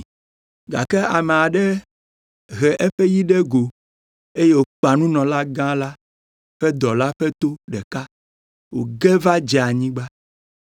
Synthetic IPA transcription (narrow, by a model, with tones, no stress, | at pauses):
ɡa̰˨kɛ˦a˨me˨a˨ɖɛ˦ | ɣɛ˨ʔɛ˦ɸɛ˦ji˦ɖɛ˦ɡo˨ | e˦je˦wo˨k͡pa˨nũ˦nɔ̃˨la˦ɡã˦la˦ | ɸɛ˦d̪ɔ˨la˦ɸɛ˦t̪o˦ɖɛ˨ka˦ | wo˨ɡɛ˦va˦d͡ʒɛ˨a˨ɲĩ˦ɡ͡ba˦